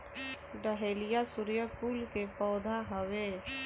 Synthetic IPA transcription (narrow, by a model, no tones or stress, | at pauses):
ɖəɦeːlɪjasʊɾjəpuːlkepɔːd̪ʱaɦəʋe